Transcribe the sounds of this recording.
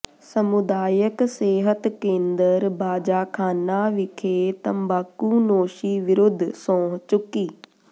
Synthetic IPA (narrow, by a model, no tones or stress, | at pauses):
sɐmʊd̪aːjəkseːɦət̪kẽːnd̪əɾbaːd͡ʒaːkʰaːnaːʋɪkʰeːt̪ɐ̃mbaːkunoːʃiːʋɪɾʊd̪ʱsõːɦt͡ʃʊkiː